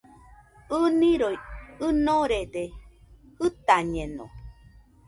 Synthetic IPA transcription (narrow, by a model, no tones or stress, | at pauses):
ɯnĩɾojɨnõɾede | ɨt̪aɲẽnõ̰